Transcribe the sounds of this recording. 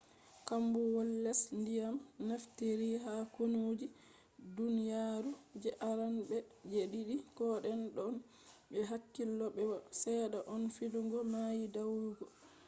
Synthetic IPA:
kambuwɔlːɛsndijamnaftiɾiɦakonuːd͡ʒi | dunijaɾud͡ʒɛʔaɾanbɛd͡ʒeɗiɗikɔɗɛnɗɔn | ɓɛɦakːilːɔɓɛwasɛɗaʔɔnfiduŋɡɔmajidawuɡɔ

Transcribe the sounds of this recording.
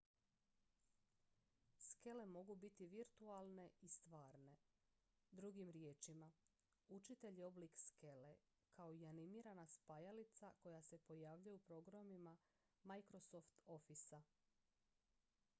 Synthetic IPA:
ske̞le̞mo̞ɡubit̪iʋiɾt̪ualˠne̞ist̪ʋaːɾne̞ | d̪ɾuɡimɾje̞ːt͡ʃima | ut͡ʃit̪e̞ʎeo̞blikske̞le̞ | kʰao̞ianimiːɾanaspajalit̪sako̞jase̞po̞jaːʋʎujupɾo̞ɡɾamima | majkɾo̞soft̪o̞fisa

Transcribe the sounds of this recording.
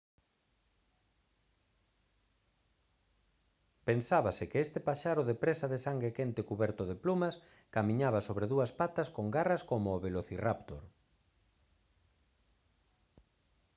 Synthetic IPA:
pensaβasɪkeest̪epaʃaɾʊðepɾesaðesaŋɡɾekent̪ɪkuβɛɾt̪ʊðeplumɐs | kamĩɲaβasoβɾeðuɐspat̪ɐskoŋɡarɐskomʊːβeloθirapt̪o̰ɾ

